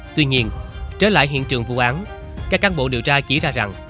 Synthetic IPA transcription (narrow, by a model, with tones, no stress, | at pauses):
t̪wi˧ɲi˧ənt͡ɕe˨˦˥la̰ː˧˨jɦḭ˧˨nt͡ɕɨ̰˨˩əŋvu˧˩ʔaː˨˦n | kaː˦˥kːaː˨˦nɓo̰˧˨ɗi˨˩əwt͡ɕaː˧t͡ɕḭ˧˩zaː˧za˨˩ŋ